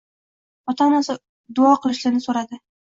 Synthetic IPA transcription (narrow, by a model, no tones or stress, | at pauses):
ɒt̪ʰaɒnasɪ | d̪ʊɒqʰɨlˠɪʃlɪɡʲɪnɪsoɾad̪ɪ